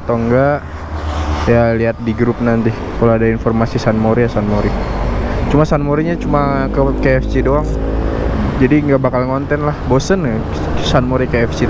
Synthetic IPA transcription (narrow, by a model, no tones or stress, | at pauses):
t̪oŋɡaʔ | jaliat̪̚diɡɾup̚nant̪i | kaloadainfɔrmasisanmoɾijasanmoɾi | t͡ʃumasanmoɾiɲat͡ʃumakəkeɛfsidoaŋ | d͡ʒadiŋɡaʔbakalŋɔnt̪ɛnlahbosən | sanmoɾikeɛfsi